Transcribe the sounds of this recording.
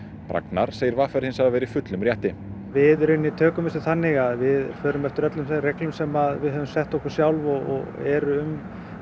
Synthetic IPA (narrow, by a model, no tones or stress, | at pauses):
pɾa̰knaɾ̥seːjɪɾvaːfɛɾhɪnsaavɛːɾɪfʏt̪lʏmrjɛht̪ɪ | vɪðrɾʏɥnːit̪ʰœːkʏmɪst̪ʏθanːɪɣaðvɪðfœːɾʏmɛft̪ʏɾœt̪lʏmsreklʏmsɛmaðvɪðɦœvʏmsɛht̪ɔhkʏɾ̥sjawlvɔɔ̰ɣɛɾʏm